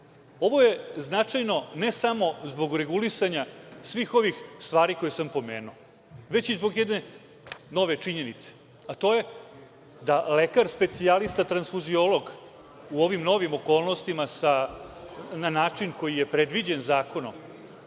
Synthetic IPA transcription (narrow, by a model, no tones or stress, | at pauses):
o̞ʋo̞je̞znat͡ʂajno̞ne̞samo̞zbo̞ɡɾe̞ɡulisaɲasʋiːxo̞ʋixst̪ʋaːɾiko̞jesampo̞meːnuo | ʋe̞t͡ɕizbo̞ɡjed̪ne̞ | no̞ʋe̞t͡ʂiɲe̞nit̪se̥ | at̪o̞je̞ | d̪ale̞kaɾspe̞t̪sialist̪at̪ɾansfuzio̞lˠo̞ɡ | uo̞ʋimno̞ʋimo̞ko̞ːlˠnost̪imasa | nanaːt͡ʂinko̞jije̞pɾe̞d̪ʋid͡ʑe̞nzaːko̞no̰m